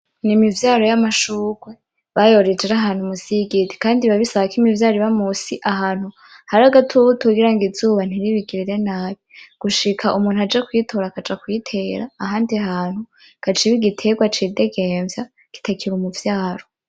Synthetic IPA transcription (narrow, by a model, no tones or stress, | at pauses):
nimivjaːɾo̞jamaʃuːɡ̥we | βajo̞ɾed͡ʒeɾaɦaːn̥humusiɡiti̥kaːndiβaβisaβakimivjaːɾiβamusiʔaɦaːn̥hu | haɾaɡatʰuβutʰuɡiɾaŋɡizuːβan̥iɾiβiɡiɾiɾe̞naːβiɡ̥uʃikʰaʔumuːnhuhad͡ʒekwitʰo̞ɾakad͡ʒakwitʰeːɾaːɦaːndiaɦaːn̥hu | kat͡ʃiβiɡitʰe̞ɡwat͡ʃide̞ɡeɱvja | ɡ̥i̥takiɾumuvjaːɾo